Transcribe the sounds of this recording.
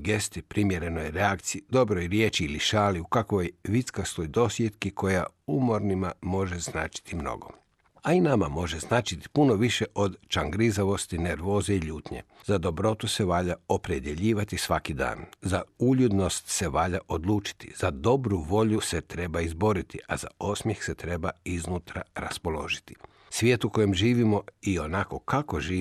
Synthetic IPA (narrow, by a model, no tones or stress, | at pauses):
ɡest̪ipɾimjeɾe̞nojɾeakt̪siid̪o̞bɾojɾjet͡ʃiiliʃaːliukakʋojʋit̪skast̪ojd̪o̞sje̞t̪kikʰo̞jaumo̞ɾnimamo̞ʒeznaːt͡ʃi̥t̪ʰimno̰ɡo̞̰ | ainamamo̞ʒeznaːt͡ʃit̪i̥puno̞ʋiʃeʔo̞d̪t͡ʃaŋɡɾizaʋo̞st̪ine̞ɾʋo̞ːzeiʎuːt̪ɲe̞̰z̥ad̪o̞bɾo̞t̪use̞ʋaːʎao̞pɾed̪je̞ʎiːʋat̪isʋakid̪a̰ːnzauʎud̪no̞st̪se̞ʋaːʎaʔo̞d̪lˠuːt͡ʃi̥t̪ḭz̥ad̪o̞bɾuʋo̞ʎuse̞t̪ɾe̞baizbo̞ɾit̪iʔa̰za̰o̞smjexse̞t̪ɾe̞baiznuːt̪ɾa̰ɾaspo̞lo̞̰ʒit̪i̥ | sʋʲje̞ːt̪uko̞jemʒiːʋimo̞io̞nako̞kako̞ʒiː